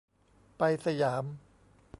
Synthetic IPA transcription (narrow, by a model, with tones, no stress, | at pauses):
pa˧jsa˧jaː˩˦m